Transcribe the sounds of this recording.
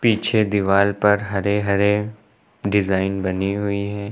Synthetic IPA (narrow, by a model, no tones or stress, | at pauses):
piːt͡ʃʰed̪ɪʋaːlpɐɾɦɐɾeɦɐɾe | ɖɪzaːɪnbɐniɦʊiɦɛː